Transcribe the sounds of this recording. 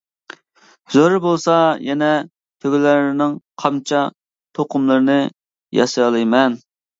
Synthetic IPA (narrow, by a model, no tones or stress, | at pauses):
zoɾɨbolˠsɑjɛnɛ | t̪ʰøɡʲylɪɾnɪŋqʰɑmt͡ʃʰɑ | t̪ʰoqʰʊmlˠɨɾɨnɨ | jɑ̰sjɑlˠɨjmɛn